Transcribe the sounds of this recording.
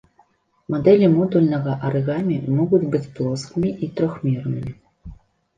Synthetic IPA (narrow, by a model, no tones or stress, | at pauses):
mɔd̪ɛlʲimɔd̪ulʲnɐɣɐʔɐɾɨɣamʲimɔɣud͡zʲbɨt͡sʲplˠɔskɨmʲiʔit̪ɾɔxmʲirnɨmʲi